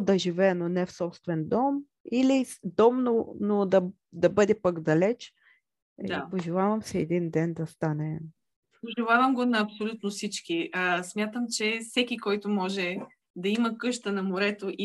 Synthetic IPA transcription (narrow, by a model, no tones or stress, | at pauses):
d̪ɐʒivɛːnonɛfsɔpst̪vɛnd̪ɔm | ilid̪ɔmnonod̪ɐ | d̪ɐbɤd̪ɛpaɡd̪ɐlɛt͡ʃ | apoʒɛlˠavɐmsɛɛd̪ind̪ɛnd̪ɐst̪anɛ | poʒɛlˠavɐmɡonɐːpsolʲut̪nofsit͡ʃkiəsmʲjat̪əmt͡ʃɛfsɛkʲikɔjt̪ʊmɔʒɛ | d̪ɐimɐkɤʃt̪ənɐmoɾɛt̪oʔi